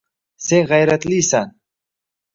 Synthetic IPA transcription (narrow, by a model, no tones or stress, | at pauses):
seɣajɾat̪lisan